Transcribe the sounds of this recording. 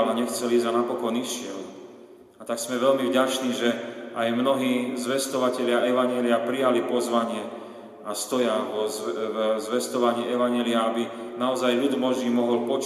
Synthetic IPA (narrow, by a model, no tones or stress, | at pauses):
lɛɲɛxt͡sɛliːzanapɔkɔniʃɪɛl | at̪aksmɛʋɛʎmivɟat͡ʃniːʒɛajmnɔɦiːzʋɛst̪ɔʋacɛʎɪaʔɛʋaɲjɛliapɾijalipɔzʋaɲɪɛ | ast̪ɔjaɔ | zʋɛst̪ɔʋaɲiːɛʋaɲɛliaabinaɔzajʎud̪mɔʒiːmɔɦɔlpɔt͡ʃ